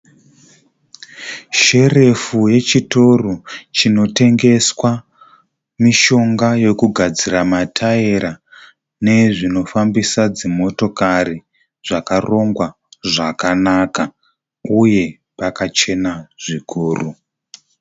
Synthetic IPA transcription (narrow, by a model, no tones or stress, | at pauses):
ʃe̞re̞fuje̞t͡ʃito̞rot͡ʃino̞te̞ŋɡe̞swa | miʃo̞ŋɡaje̞kuɡʱad͡ziramatʰaeɾa | ne̞ʐino̞fambisad͡zimo̞to̞kaɾi | ʐ̥akaro̞ŋɡwa | ʐakanaka | uje̞ | pakat͡ʃe̞naʐ̥ikʰuːru